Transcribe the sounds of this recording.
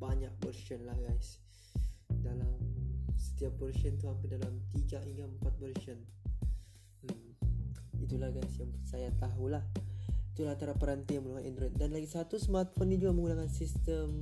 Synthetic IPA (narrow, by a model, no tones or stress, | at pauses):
baɲak̚bərʃənlahɡajs | dalamsə̥t̪iap̚bərsənt̪uhampɪdalamt̪iɡaiŋɡaəmpat̪̚bərʃən | it̪ulahɡajsjaŋsajat̪aɦulahit̪ulahant̪aɾapəɾant̪iməluɦaḭndɾɛt̪̚danlaɡisat̪usəmat̪fɔnid͡ʒuɡaməŋɡunakansist̪əm